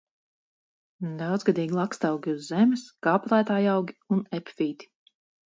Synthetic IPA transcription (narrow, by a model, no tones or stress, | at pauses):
d̪awd̪zɡad̪iːɡʲilˠakst̪awɡʲiuzːɛmʲisɡ̥aːplˠaːt̪aːjawɡʲiunɛpfiːt̪i̥